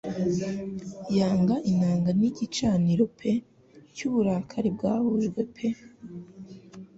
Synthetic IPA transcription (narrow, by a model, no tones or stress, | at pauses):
jaːŋɡaʔinaːŋɡaniɟit͡ʃaːniɾopʰe | cuːβuɾakʰaɾib̚ɡaːβuʒɡwe̞pʰe